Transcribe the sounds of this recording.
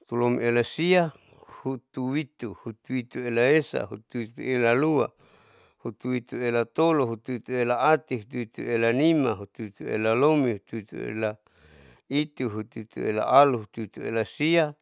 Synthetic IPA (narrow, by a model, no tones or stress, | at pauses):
t̪ulomelasia | hut̪uwit̪uhut̪uit̪uelaesa̰ɦut̪uwit̪uelalua | hut̪uwit̪uelat̪oloɦut̪uit̪uelaat̪iɦut̪uit̪uelanimaɦut̪uit̪uḛlalomiɦut̪uit̪ṵḛla | it̪uɦut̪uit̪ṵela̰ʔaluɦut̪uit̪uḛlasia